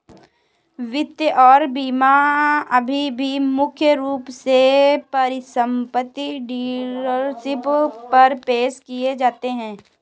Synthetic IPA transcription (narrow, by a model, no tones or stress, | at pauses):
ʋɪt̪jəʔɔːɾbiːmaɐbʱibʱimʊkʰjəɾuːpsepɐɾɪsə̃mpət̪ːiɖiːɾəɾsɪppɐɾpeːʃkied͡ʒaːt̪eɦɛ̃ː